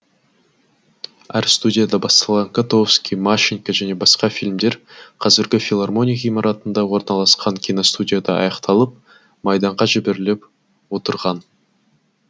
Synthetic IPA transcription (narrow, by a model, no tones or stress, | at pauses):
æɾst̪udʲijad̪ɑbɑst̪ɑlˠʁɑŋkat̪ofskʲijmaʃiŋkɑʒæne̞bɑsqɑfilmd̪e̞ɾqʰɑzɪɾɡʲɪfʲilˠarmo̞nʲijaijmɑɾɑt̪ənd̪ɑwo̞ɾnɑlˠɑsqɑŋkʲʰinost̪udʲijad̪ɑɑ̰jɑqt̪ʰɑlˠəp̚ | mɑjd̪ɑɴʁɑʒɪbeɾɪlep | wo̞t̪əɾʁɑn